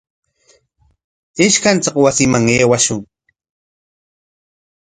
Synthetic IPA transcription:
ɪʃkant͡saqwasɪmaŋeːwaʃʊŋ

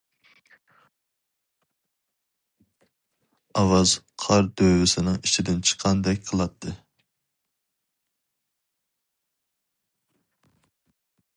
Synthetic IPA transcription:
ɑwɑz̥qʰɑɾd̪øwɪsɪnɨŋit͡ʃʰid̪ɪnt͡ʃʰə̥qʰɑnd̪ɛkʲqʰəlˠɑt̪ʰːɨ

